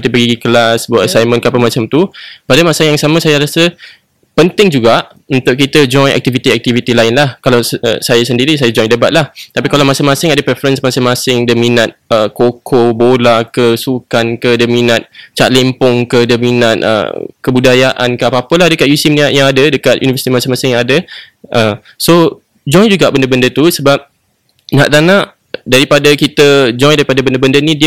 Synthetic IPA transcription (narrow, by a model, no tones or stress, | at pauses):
t̪ipəɡiɡikəlasbəat̪sajmə̃nkəapəmat͡ʃamt̪upadamasajaŋsaməsajaɾasə | pənt̪ɪŋd͡ʒuɡaʔ | ənt̪ʊʔk̬it̪əd͡ʒɔjʔɛ̰k̚t̪ivit̪iɛk̚t̪ivit̪ilaɪnlahkalawə̰sajasəndiɾisajad͡ʒɔjdəbat̪̚laht̪apikalawmasɪŋmãsɪŋadəpɾɛfəɾənsmasɪŋmasɪŋdəminat̪̚əkokʰobolakəsukankədəminat̪̚t͡ʃaʔ̪̚lempʊŋkədəminat̪̚ə̰kəbudajaʔa̰nkəapaapəlahdəkaʔjusɪmniaʔjaŋadədəkat̪ʔjṵnifəsit̪imasɪŋmasɪŋjaŋadə | ʔəm | so | d͡ʒɔjd͡ʒuɡaʔbəndəbəndət̪usəbap̚ | nɦa̰ʔt̪anãʔ | daɾipadəkit̪əd͡ʒɔjdaɾipadəbəndəbəndənidi